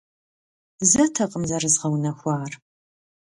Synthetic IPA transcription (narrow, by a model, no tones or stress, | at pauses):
zɐtʰɐqʼəmzɐrɨzʁɐwnɐxʷɑːr